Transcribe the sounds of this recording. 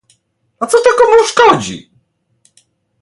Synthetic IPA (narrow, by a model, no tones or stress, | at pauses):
ɔt̪sɔt̪akɔmuʂkɔd͡ʑḭ